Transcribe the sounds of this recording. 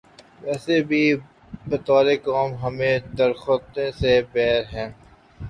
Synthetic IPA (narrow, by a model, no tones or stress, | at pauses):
ʋɛːsebʱi | bɐt̪aːlekɔːmɦɐmẽd̪ɐɾxot̪ẽsepɛːɾɦɛ̃ː